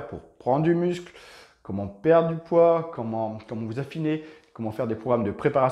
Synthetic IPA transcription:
ʁpṵʁpχɑ̃d̪ʁd̪ymyskl | kɔmɑ̃pɛʁd̪ʁd̪ypwakɔmɑ̃kɔmɑ̃vuzafinekɔmɑ̃fɛʁd̪epχɔɡʁamd̪əpχepaʁa

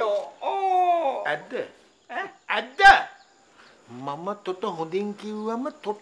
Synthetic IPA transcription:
ɛd̪ə | æd̪ə | mamət̪oʈəɦod̪iŋkiwʋamət̪o

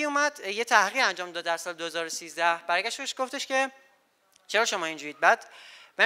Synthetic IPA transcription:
iumæd̪jet̪ʰæhʁiːʁænd͡ʒɒːmd̪ɒːd̪ːæɾsɒːled̪ohezɒːɾosiːzd̪æhb̥æɾɡʲæʃbeʃɡ̥oft̪eʃcʰe̞ | t͡ʃʰeɾɒːʃo̞mɒːind͡ʒuːɾiːd̪̚bæd̪̥bæ

